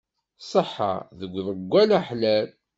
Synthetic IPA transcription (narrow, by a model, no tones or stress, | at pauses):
sˤəħːa̰ðəɡʷːðəɡʷːælaħlæl